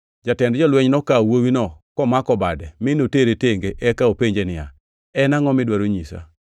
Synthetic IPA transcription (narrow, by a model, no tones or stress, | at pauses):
d͡ʒatɛndd͡ʒɔlweɲnɔkawowinɔkɔmakɔbadɛmɪnoteɾeteŋɡeʔɛkaopeɲd͡ʒenɪja̰ | ɛnaŋɔmɪdwaɾoɲisa̰